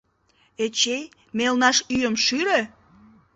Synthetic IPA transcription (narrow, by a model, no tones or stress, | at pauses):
et͡ɕej | melnɑʃyjəmʃyɾe